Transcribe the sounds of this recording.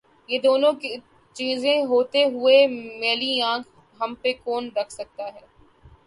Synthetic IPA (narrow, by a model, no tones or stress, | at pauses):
jeːd̪oːnõki | t͡ʃiːzẽɦoːt̪eɦʊemeːliãːkʰ | ɦɐmpekoːnɾɐkʰsɐk̚t̪aɦɛː